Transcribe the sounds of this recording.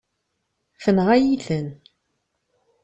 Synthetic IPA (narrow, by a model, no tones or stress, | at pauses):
fənʁæjiθən